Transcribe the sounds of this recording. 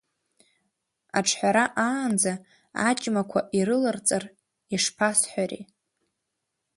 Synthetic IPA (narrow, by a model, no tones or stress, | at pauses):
a̰ʈ͡ʂʰħʷᶣaɾaʔaːnd͡za | a̰t͡ʃʼmakʷʰaʔiɾɨlart͡sʼar | iʂpʰasħʷarḭ